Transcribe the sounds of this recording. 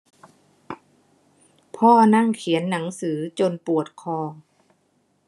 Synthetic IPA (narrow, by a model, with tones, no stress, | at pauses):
pʰɔː˥˩na˥˩˨ŋkʰi˩˦ənːa˩˦ŋsɯː˩˦t͡ɕo˧npu˨˩ət̪̚kʰɔː˧˩